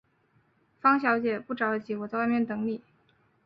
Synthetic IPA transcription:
fɑ˥ŋɕjɑ˧˥ʊt͡ɕjɛ˨˩pu˥˩ʈ͡ʂɑ˨˩ʊə˥˩t͡ɕʰi˧˥wɔ˨˩t͡sa˥˧ɪwa˥˧ɪmjɛ˥˩nt̪ɤ˧˥ŋli˨˩˦

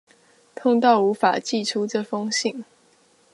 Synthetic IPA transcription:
t̪ʰʊ˥˧ŋt̪ɑ˥˩ʊu˧˥fa̰˨˩t͡ɕi˥˩ʈ͡ʂʰu˥ʈ͡ʂɤ˥˩fɤ˥ŋɕi˥˩ŋ

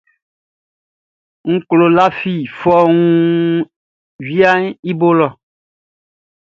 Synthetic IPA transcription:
ŋ̩˦klo˨la˦fi˨fɔ˦ŋũ˦ | ɥi˦a˦ŋ˦i˦bo˦lɔ˨

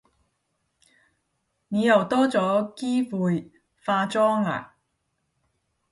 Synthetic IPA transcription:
ni˨˧jɐ˨˩wt̪ɔː˥t͡sɔː˨˥kiː˥fuː˨˧j | faː˧t͡sɔː˥ŋla̰ː˨

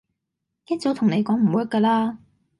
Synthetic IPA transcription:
jɐ˥t̚t͡so˨˥wt̪ʰʊ˨˩ŋne˨˧jkɔː˨˥ŋm̩˨˩wu˨˥jɐ˥kːəː˧laː˥

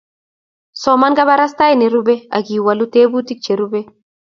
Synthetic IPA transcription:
sɔmanɡa˦ba˦ɾasta˦jni˨ɾube˦a̰˨ki˨walu˦te˦bu˦ti˦k̚t͡ʃe˨ɾube˦

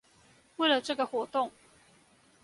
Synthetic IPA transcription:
we˥˨lə˨ʈ͡ʂɤ˥˩ɡə˨xwɔ˧˥t̪ʊ˥˨ŋ

